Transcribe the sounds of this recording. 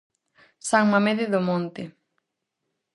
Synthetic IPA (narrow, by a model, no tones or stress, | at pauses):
saŋmameðeðomõnt̪ɪ